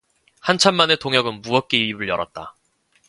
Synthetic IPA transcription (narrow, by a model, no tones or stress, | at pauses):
hant͡ɕʰanmane̞toŋjʌɡɯnmuʌk͈eibɯɭjʌɾʌ̰t̚t͈a